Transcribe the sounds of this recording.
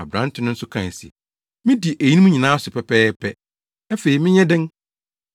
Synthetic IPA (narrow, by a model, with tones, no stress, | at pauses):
a̰˨bɾã˦n˦tʰɪ˨˦nʊ̃˦n̩˦sʊ˦kʰã̰˨n˨sḭ˨ | mɪ̃˦di˨ʔæ˨ji˦nĩ˦mũ˦ɲĩ˨nãː˦sʊ˨pʰɛ˨pʰɛː˦pʰɛ˦ | æ˦fe˨ɾi˨mɪ̃˦ɲɛ̃˦dɪ̃˦ŋ